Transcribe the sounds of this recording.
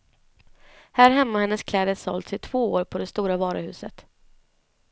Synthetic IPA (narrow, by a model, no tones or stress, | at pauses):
hæːɾɦɛmːahɛnːəskʰlɛːd̪əssɔ̰lt̪sɪt̪ʰv̥oːoːɾpʰɔd̪ɛst̪uːɾavɑːɾəhʉ̟ːsət̪